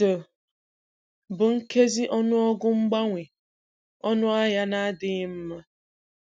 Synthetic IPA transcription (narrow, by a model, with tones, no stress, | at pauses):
o˨ | bʊ˨ŋ̩˦ke˦zɪ˦ʔɔ˦nʊ˦ɔ˦ɡʊ˦ŋ͡m̩˦ɡ͡ba˦ŋʷɪ˨ | ɔ˦nʊ˦a˦ja˦na˦dɪ˦ɲɪ˦m̩˦ma˦